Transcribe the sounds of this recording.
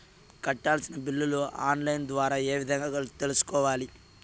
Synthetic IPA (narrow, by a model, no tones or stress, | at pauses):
kɐʈːaːlsinɐbilːɐluaːnlɐjnd̪ʋaːɾaːe̞ːʋid̪ʱɐŋɡaːt̪e̞lusu̥kɔːʋaːli